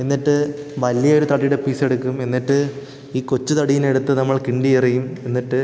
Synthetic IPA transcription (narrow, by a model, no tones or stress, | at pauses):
e̞nːiʈːɨʋɐlːijɐoɾut̪ɐɽijuɽe̞piːse̞ɽukːume̞nːiʈːɨ | iːkot͡ɕːut̪ɐɽijine̞ɽut̪ːɨnɐmːɐɭkiɳɖiirijume̞nːiʈːɨ